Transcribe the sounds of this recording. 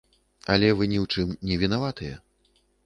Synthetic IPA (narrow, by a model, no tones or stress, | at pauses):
ɐlʲɛvɨnʲiwt͡ʂɨmnʲɛvʲinavat̪ɨjɛ̰